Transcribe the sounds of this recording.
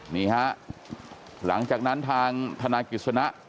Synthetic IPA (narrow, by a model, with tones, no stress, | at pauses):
niː˦˩ha˦˥ʔ | la̰˩˦ŋt͡ɕaː˨˩k̚na˦˥nt̪ʰaː˧ŋt̪ʰa˧naː˧ki˨˩t̪̚sʰa˧na˦˥ʔ